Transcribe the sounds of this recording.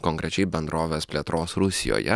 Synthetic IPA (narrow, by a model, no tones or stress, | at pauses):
kɔŋʲkɾʲɛt͡ʃʲɛɪbʲɛnd̪ɾoːʋʲeːspʲlʲeːt̪ɾoːsɾʊsʲɪ̰jo̰ːjɛ̰